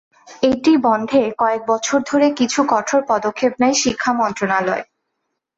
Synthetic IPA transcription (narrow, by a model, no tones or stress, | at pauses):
ejʈibɔnd̪ʱekɔek̚bɔt͡ɕʰoɾd̪ʱoɾekit͡ɕʰukɔʈʰoɾpɔd̪okʰːebnɛjʃikʰːamɔnt̪ɾonalɔe